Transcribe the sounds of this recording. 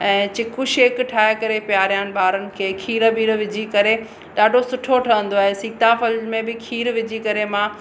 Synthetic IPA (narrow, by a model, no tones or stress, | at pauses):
ɛ̃ːt͡ɕɪkʊʃeːkʈʰaːekɐɾepjaːɾijaːnɪ̆ɓaːɾənɪ̆kʰeːkʰiːɾəbiːɾʋɪd͡ʑʱikɐɾe | ɗaːɖʱosʊʈʰoʈʰɐʋə̃nd̪oaːɦesiːt̪ãfɐlmẽbɪkʰiːɾʋɪd͡ʑikɐɾemã